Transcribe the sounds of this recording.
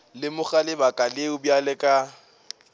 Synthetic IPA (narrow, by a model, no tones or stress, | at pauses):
lɪmʊχalɪbakʼalɪʊbjalɛkʼa